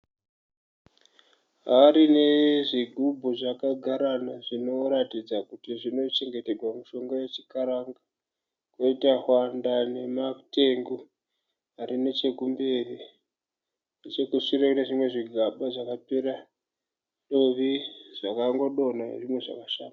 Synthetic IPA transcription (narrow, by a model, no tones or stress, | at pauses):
ɦaɾine̞ʐiɡʱubʱuʐakaɡʱaɾanaʐino̞ɾatid͡zakutiʐino̞t͡ʃe̞ŋɡe̞te̞rwamuʃo̞ŋɡajet͡ʃikaɾaŋɡa | kweitahwandane̞mate̞ŋɡo | aɾine̞t͡ʃe̞kumberi | net͡ʃe̞kuʂireneʐimwe̞ʐiɡʱaɓaʐakapeɾa | ɗoʋiʐ̥akaŋɡo̞ɗo̞naḛʐimwe̞ʐa̰kaʃaːna